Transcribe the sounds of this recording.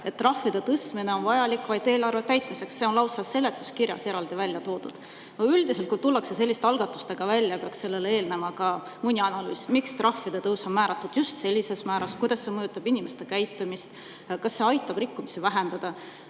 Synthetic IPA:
e̞t̪̚tːrɑhfːid̪̥e̞t̪ɤst̪mine̞o̞nvɑjɑlikːvɑjd̪e̞ːlɑrvet̪æjt̪ˑmise̞ksːe̞onlɑwsɑse̞le̞t̪ːˑu̥skirjɑ̰se̞ɾɑld̪ivælʲjɑt̪o̞ːd̪̥ṵd̪̥ | oyld̪iselt̪̚kujt̪ulːɑkse̞s̬e̞lːist̪eɑlɡ̥ɑt̪ːˑu̥st̪e̞ɡ̥ɑvælʲːjɑpeɑkse̞lːe̞leeːlne̞mɑkɑ | munʲːiɑnɑlyːsmikst̪rɑfːid̪̥et̪ɤwso̞nmæːɾɑt̪ˑːud̪̥just̪se̞lʲːise̞smæːɾɑskujd̪̥ɑsːe̞mɤjut̪ːˑɑbinʲimest̪e̞kæjt̪ːˑumist̪ | kɑsːe̞ɑjt̪ːˑɑb̥rikːumisivæɦe̞nd̪̥ɑd̪̥ɑ

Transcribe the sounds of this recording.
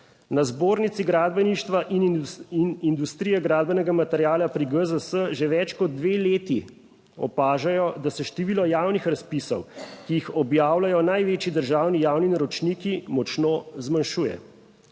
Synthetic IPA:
nazboːɾnit̪siɡɾaːd̪̚bɛniʃt̪ʋaʔininind̪ust̪ɾijɛɡɾaːd̪̚bɛnɛɡamat̪ɛɾjaːlapɾiɡəzəsəʒeʋɛt͡ʃkɔd̪̚ːʋeːleːt̪i | ɔ̰paːʒajɔd̪asɛʃt̪eʋiːlɔjaːwnixɾaspisɔ̰wkijixɔbjaːwlajɔnajʋeːt͡ʃjid̪əɾʒaːwnijaːwninaɾɔt͡ʃnikimɔt͡ʃnozmanʃuːjɛ̰

